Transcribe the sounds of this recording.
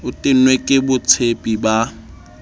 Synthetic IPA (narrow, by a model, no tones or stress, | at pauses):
ʊtʼɪnwekʼɪbʊt͡sʰepʼiba